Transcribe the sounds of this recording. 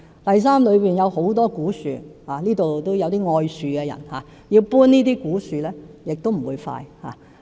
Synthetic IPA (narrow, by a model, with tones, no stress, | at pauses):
t̪ɐ˨js̬aː˥mlɵ˨˧ɥpiː˨˩njɐ˨˧who˨˥wt̪̬ɔː˥kuː˨˥sy̰ː˨˧haː˨liː˥t̪o˨wt̪o˥wjɐ˨˧wt̪iː˥ŋɔː˧jsyː˨kɛ˧jɐ̰˨˩nhaː˨˧ | jiː˧wpuː˥nniː˥t̪iː˥kuː˨˥syː˨lɛː˥jɪ˨k̚t̪o˥wm̩˨˩wuː˨˧jfa̰ː˧jha̰ː˨